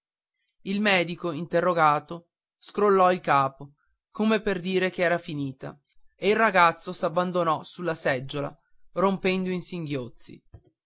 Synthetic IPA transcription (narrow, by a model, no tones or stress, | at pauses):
ilmɛːd̪ikoint̪erːoɡaːt̪o | skɾolːɔilkaːpo | komeperd̪iːɾek̟eɛːɾafiniːt̪a̰ | eilrːaɡat̪sːosabːand̪onɔsulːasɛd͡ʒːola̰ | rompɛnd̪oinsiŋɡjot̪sːḭ